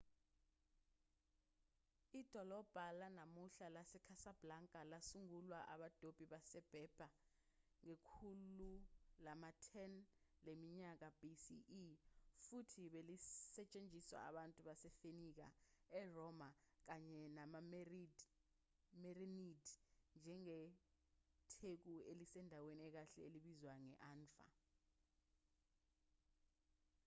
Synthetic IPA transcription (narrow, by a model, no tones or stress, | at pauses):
id̥ʱɔlɔb̥ʱalanamuɬalasɛkʰasab̥laŋkʼalasuŋulwaʔa̰ɓad̥ʱob̥ʱiɓasɛb̥ʱɛb̥ʱa | ŋekʰululamatʰɛnlemiɲak̬ab̥isi | futʰiɓelisɛt͡ʃʼend͡ʒʱiswa̰a̰ɓantʼuɓasɛfenik̬a̰ɛrɔmak̬aɲɛnamad | mɛrinidnd͡ʒʱɛŋɛ | tʰek̬uelisɛndʱaweniɛk̬aɬɛeliɓizwaŋɛ̰ʔaːnfa̰